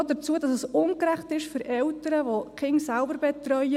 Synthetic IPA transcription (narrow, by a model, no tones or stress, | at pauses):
dət͡suəd̥ɑsəsʊnkɾæχtɪʃfʏɾʔɛwtəɾəʋoχɪŋsælbəɾbɛt̪rœjə